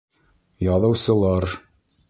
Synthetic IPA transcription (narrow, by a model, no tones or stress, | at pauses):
jɑðˠɤ̆wsɤ̆lˠɑɾ